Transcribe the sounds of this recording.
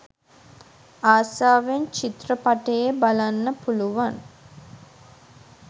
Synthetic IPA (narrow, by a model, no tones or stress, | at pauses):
aːsaːʋent͡ʃit̪rəpaʈəjebalanːəpuluʋan